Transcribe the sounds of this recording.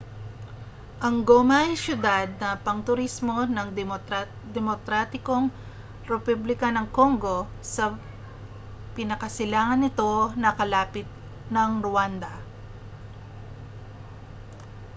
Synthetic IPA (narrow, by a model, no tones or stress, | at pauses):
ʔɐŋɡomajsjʊd̪ad̪̚nɐpɐŋt̪ʊɾismo̞nɐŋ | d̪ɛmokɾat̪ɪko̞ŋ | ɾɛpublɪkɐnɐŋko̞ŋɡo̞ | sɐ | pɪnɐkɐsɪlaːŋɐnɪt̪o̞nɐkɐlaːpɪt̪̚ | nɐŋɾʊand̪ɐ